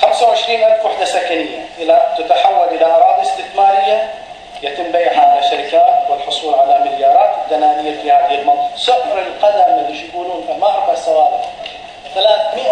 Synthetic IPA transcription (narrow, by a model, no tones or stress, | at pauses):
xamsawʕɪʃɾiːnʔalfwaħd̪asakanɪjːaʔɪlat̪at̪aħawːalʔɪlaʔɑɾˤɑːt̪ɪst̪ɪθmaːɾɪjːa | jat̪ɪmːbajɦaʕalaʃːaɾɪkaːt̪wɪlħʊsˤuːlʕalamɪljɑːɾˤɑːt̪ɪd̪anaːnɪjːafiːhaːðɪhɪlmɑðˤɑsʊhɾɪlqad̪amɪðʃjaɡuːluːnfamabsˤɑwɑːbɪ | θalaːθmɪʔa